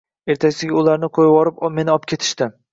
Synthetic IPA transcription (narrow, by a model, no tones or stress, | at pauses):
e̞ɾt̪ʰasɪɡʲaʊlaɾnɪqʰojwɒɾɪpme̞nɪɒpkʲʰe̞t̪ʰɪ̥ʃt̪ɪm